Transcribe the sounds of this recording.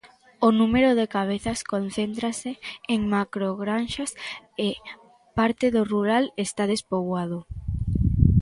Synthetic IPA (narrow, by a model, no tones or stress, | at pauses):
onumeɾoðekaβ̞eθaskon̟θent̪ɾaseːŋmakɾoɣɾanʃase | paɾt̪eðoruɾalest̪aðespoβwaðo